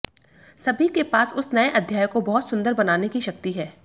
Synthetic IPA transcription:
sɐbʱikepaːsʊsnɐeʔɐd̪ʱjaːjəkobɐɦʊt̪sʊ̃nd̪əɾbɐnaːnekiʃɐk̚t̪iɦɛː

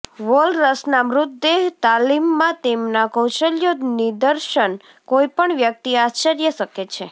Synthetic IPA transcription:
ʋolɾəsnamɾʊt̪ːeɦt̪alimːãt̪emnakɔ̃wʃəljonid̪əɾʃən | koipəɳʋjək̚t̪iast͡ʃəɾjəʃəket͡ʃʰe

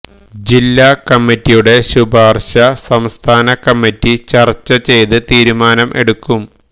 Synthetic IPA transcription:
d͡ʑilːakɐmːitːijuɽe̞ɕubʱaːrɕɐsɐmst̪ʰaːnɐkɐmːitːit͡ɕɐrt͡ɕːɐt͡ɕe̞jt̪ɨt̪iːɾumaːnɐmʔe̞ɽukːum

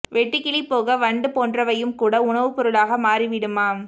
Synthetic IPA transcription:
ʋɛʈːɪkːɪɭɪpːoːɣɐʋɐɳɖɯpoːndrɐʋɐjɯmkuːɽɐʊɳɐʋɯpɔɾɯɭaːɣɐmaːriʋɪɽɯmaːm

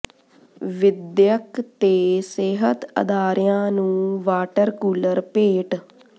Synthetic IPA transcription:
ʋɪd̪jəkt̪eːsɪɦət̪ə̰d̪aːɾjãːnũːʋaːʈəɾkuːləɾpeːʈ

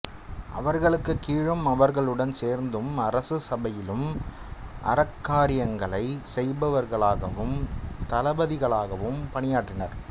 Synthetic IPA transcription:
ʔɐ̰ʋɐɾɣɐɭɯkːɯkːiːɻɯmɐʋɐɾɣɐɭɯɽɐnseːɾnd̪ɯmɐɾɐsɯsɐbɐjɪlɯm | ʔɐ̰ɾɐkːaːɾɪjɐŋɡɐɭɐɪsɛjbɐʋɐɾɣɐɭaːɣɐʋɯmt̪ɐlɐbɐðɪɣɐɭaːɣɐʋɯmpɐɳɪjaːʈːɪnɐ̰ɾ

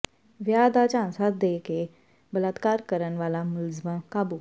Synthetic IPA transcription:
ʋjad̪at͡ʃãnsat̪̚d̪eːke | bələt̪kaːɾkəɾənʋaːlamʊlzməkaːbu

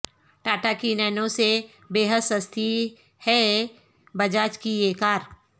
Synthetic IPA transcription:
ʈaːʈakinɛːnõse | beːɦəd̪səst̪ʰi | hɛ | bɐd͡ʒaːt͡ʃkieːkaːɾ

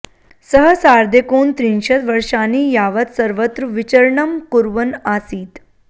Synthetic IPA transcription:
səɦəsaɾd̪ʱekoːnt̪ɾinɕət̪ʋəɾʂaniːjaʋət̪səɾʋət̪ɾuʋit͡ɕəɾɳəmkuɾʋənasiːt̪

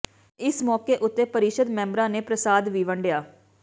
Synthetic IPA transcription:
ɪsmɔːkeːʔʊt̪ːeːpəɾɪʃəd̪mɛ̃ːmbɾãːneːpɾəsaːd̪ʋiːʋəɳɖjaː

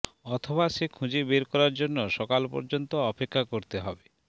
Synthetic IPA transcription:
ɔt̪ʰobaʃekʰũd͡ʑebeɾkɔɾaɾd͡ʑonːoʃɔkalpɔ̰ɾd͡ʑont̪oɔpekʰːakoɾt̪eɦɔbe

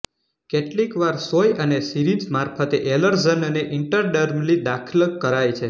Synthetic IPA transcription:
keʈlikʋaɾsojənesiɾid͡ʒmaɾfʰət̪eʔeləɾzənəneʔɪɳʈəɾɖəɾmlid̪akʰəlkːəɾajt͡ʃʰe

